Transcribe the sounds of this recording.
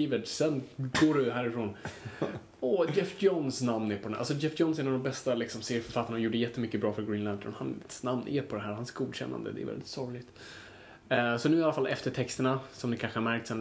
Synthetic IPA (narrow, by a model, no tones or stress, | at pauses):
iːvəsɛnɡoːɖɵɦæːɾɪfɾoːn | ɔd͡ʒɛfjɔnsnamnæɾpʰɔd̪ɛnʔa̰sɔd͡ʒɛfjɔns̬ɛɛnavd̪ɔmbɛst̪alɪksɔmseːɾfœɾfat̪ːanɳajuːɖəjɛt̪ːəmʏkːəbɾɑːfœɾɡɾiːnlænt̪ʰɔ̰nha̰nsnamnʔɛ̰ɾpʰɔd̪ɛɦæːɾhansɡuːd̪ɕɛ̰nːa̰nd̪ə̰d̪ɛ̰ɾvɛ̰ld̪ɪt̪sɔɾɪlɪɡt̪ | sɔnʉ̟ːalafalʔɛ̰ft̪əʈʰɛkst̪əɳasɔmnɛkʰanɧəhaɾmæɾk̚t̪sɛn